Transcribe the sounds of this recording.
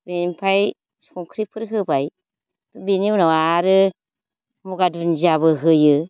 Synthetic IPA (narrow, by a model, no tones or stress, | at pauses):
benmpʰaj | skɔŋkʰɾipʰɯɾɦɯbaj | beniwnawaɾɯ | muɡadunziaβɯɦɯjɯ